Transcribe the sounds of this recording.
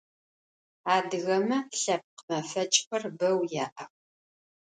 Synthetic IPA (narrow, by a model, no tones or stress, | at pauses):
aːdɨɣɐmɐɬɐp̚qmɐfɐt͡ʃʼxʷɐrbɐwjaːʔɐχ